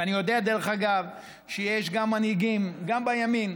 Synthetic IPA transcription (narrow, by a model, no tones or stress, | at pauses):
anijo̞d̪ead̪eleχaɡav | ʃejeʃɡamːanhiɡimɡambajamin